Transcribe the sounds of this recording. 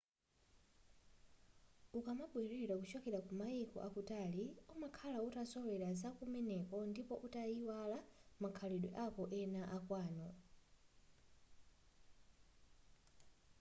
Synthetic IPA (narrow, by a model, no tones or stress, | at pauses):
ukamaɓwɛɾiɾakut͡ʃɔkɛɾakumaikɔ̰ʔakutaːliumakʰalautasɔlɛɾazakumɛnɛkɔndipɔʔutaiwalamakʰaliɗwɛ̰ʔakɔʔɛnaʔakwaːnɔ